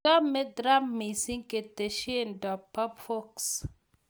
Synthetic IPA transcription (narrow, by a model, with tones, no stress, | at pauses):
a˦me˦dɾa˦mːi˨si˦ŋke˨te˨ʃe˦˨ndɔ˨pːɔ˦pfo˦ks